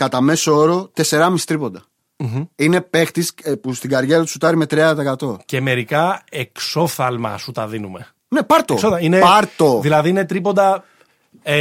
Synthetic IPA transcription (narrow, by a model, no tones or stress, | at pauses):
kɐt̪ɐme̞sooɾo̞t̪e̞se̞ɾɐmist̪ɾipo̞nd̪ɐ | m̩ine̞pe̞xt̪ispust̪iɡɐɾʝeɾɐt̪u̥sut̪ɐɾime̞t̪ɾiɐðɐt̪ɐekɐt̪o̞ce̞me̞ɾikɐekso̞θɐlmɐ̰sut̪ɐðinume̞̰ | nepɐɾt̪osoðɐinepɐɾt̪o̞ðilɐðiine̞t̪ɾipo̞nd̪ɐ | e